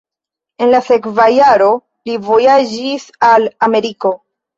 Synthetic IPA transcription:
e̞nlase̞kvajaɾo̞ | livo̞jad͡ʒisalame̞ɾiko̞

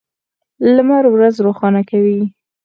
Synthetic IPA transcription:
lamaɾwɾazɾoxɑnakawi

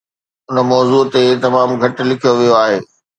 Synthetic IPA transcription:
ʊnəmɔːzuːt̪et̪ɐmaːmɡʱɐʈ̆lɪkʰijoʋijoaːɦeː

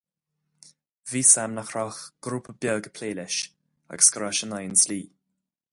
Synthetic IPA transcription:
viːsamnaxɾɔxɡ̥ɾuːpʰəbjɔːɡəpʰleːlɪʃ | a̰ɡəskɾaʃənajənsliː

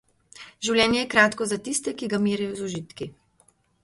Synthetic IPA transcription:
ʒiwlʲjɛːnjɛjɛkɾaːt̪kɔzat̪ist̪ɛkiɡamiːɾajɔzɔʒit̪ki

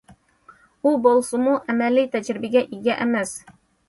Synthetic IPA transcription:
ubolˠsumuʔæmælijt̪æd͡ʒɾɪbɘɡʲæʔiɡʲæʔæmæs

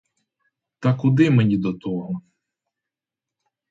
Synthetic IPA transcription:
t̪ɐkʊd̪ɪmenʲid̪ɔt̪ɔɦɔ

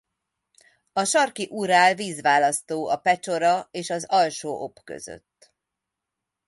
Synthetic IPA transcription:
ɒʃɒrkiʔuɾaːlviːzʋaːlɒst̪oːɒpɛt͡ʃo̞ɾɒeːʃɒzɒlʃoːʔopkø̰zø̰t̪ː

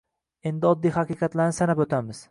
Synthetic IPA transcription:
e̞nd̪ɪɒd̪ːijhaqɨːqʰɑt̪laɾnɪsanapot̪ʰamɪz̥

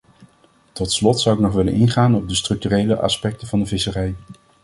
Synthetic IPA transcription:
tɔtslɔtsʌwɪknɔχʋɪlə̰nʔɪnχaːnɔb̚dəstrɵk̚tyrejləʔɑ̰spɛk̚təvɑndəvɪsərɛj

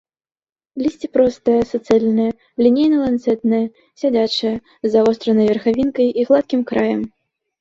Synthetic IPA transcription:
lʲisʲt͡sʲipɾɔst̪ɐjɐsɐt̪sɨalʲnɐjɐ | lʲinʲejnɐlˠant̪sɛt̪nɐjɐ | sʲad͡zʲat͡ʂɨjɐ | zavɔst̪ɾɐnɐjvʲɛrxavʲinkɐjiɣlˠat̪̚kʲimkɾajɐm

